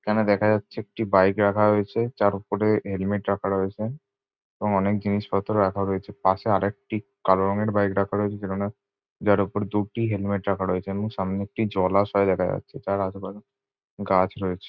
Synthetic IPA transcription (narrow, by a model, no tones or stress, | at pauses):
kɛnad̪ɛkʰad͡ʑatːɕʰeek̚ʈibajkɾakʰaɦoet͡ɕʰet͡ɕaɾupoɾeɦelmeʈɾakʰaɾoet͡ɕʰe | ebɔŋɔnek̚d͡ʑiniʃbɔt̪ʰːoɾeɾakʰaɦoet͡ɕʰepaʃeaɾek̚ʈi | kaloɾɔŋeɾbajkɾakʰaɾoet͡ɕʰed͡ʑelona | d͡ʑaɾupoɾed̪uʈiɦelmeʈɾakʰaɾojet͡ɕʰeebɔŋʃamneek̚ʈid͡ʑɔlaʃɔed̪ɛkʰad͡ʑa̰tːɕʰet͡ɕaɾad͡ʑba | ɡat͡ɕʰɾɔet͡ɕʰe̥